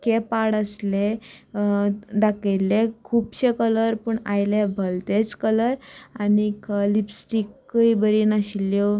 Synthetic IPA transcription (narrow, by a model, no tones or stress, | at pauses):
kepaɽəsle | d̪akejlekʰuːbɕekələɾpəɳajlebʱəlt̪et͡skələɾanikəlibsʈikːəibəɾinaɕiljo